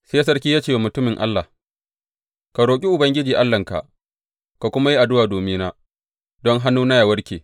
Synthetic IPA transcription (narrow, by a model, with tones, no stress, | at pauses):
seː˦s̬ɐ˦rkʲiː˦jaː˦t͡ʃeː˦˨wmʊ˨tʊ˦mɪ˨ŋʔa̰˦lːa˨ | ka˨ɾoː˨kʲʼi˦ʔʊ˨bɐ˦ŋɡʲɪ˦d͡ʒiː˨ʔa˦lːɐ˨ŋka̰˨ʔ | ka˨kʷʊ˦ma˦ji˦ʔa˨dʊ˦waː˨doː˨miː˦naː˦ | dɔ˦ŋɦa˦nːuː˦na˦jaː˨wɐ˦rkʲeː˨